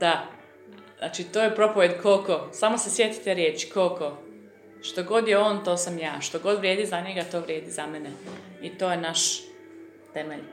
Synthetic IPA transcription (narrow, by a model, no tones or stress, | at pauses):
d̪̥a | znaːt͡ʃit̪oːjepɾo̞poʋjed̪kʰolkosamo̞se̞sje̞t̪i̥t̪e̞ɾjeːt͡ʃi̥kolko | ʃt̪o̞ɡo̞d̪jeoːnt̪o̞ːsamja̰ːʃt̪oɡo̞d̪ʋɾjeːd̪izaɲe̞ɡat̪oːʋɾʲje̞ːd̪izameneit̪o̞ːjenaʃ | t̪emeʎ